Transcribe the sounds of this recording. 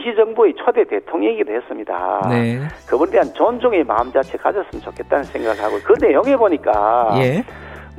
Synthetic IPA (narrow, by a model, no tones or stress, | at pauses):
ɕʰid͡ʑʌŋbue̞t͡ɕʰʌde̞te̞tʰoŋeŋidohes͈ɯmɲida̰ekɯbonedeɦant͡ɕʌnd͡ʑoŋe̞ma̰ɯmd͡ʑat͡ɕʰekad͡ʑʌs͈ɯmt͡ɕokʰe̞t̚t͈anɯnsʰeŋɡaɡɯɭhaɡokɯne̞joŋɦe̞boɲik͈a̰je